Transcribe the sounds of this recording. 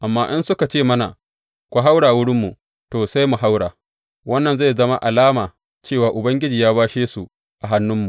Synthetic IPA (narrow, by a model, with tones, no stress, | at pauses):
ʔa˨mːaː˦ʔɪ˦nsʊ˦ka˨t͡ʃeː˦˨mɐ˦na̰˨ | kʷa˨ɦa˦wɽaː˨wʊ˦ɽɪ˦mːu˨ | toː˨sa˦jmu˨ɦa˦wɽaː˨ | wɐ˦nːɐ˨nza˦˨zɐ˦ma̰˦ʔa˨laː˦maː˨ | t͡ʃeː˦˨waː˨ʔʊ˨bɐ˦ŋɡʲɪ˦d͡ʒiː˨jaː˦baː˦ʃeː˦su˨ | ʔa˨ɦa˦nːʊ˦mːu˨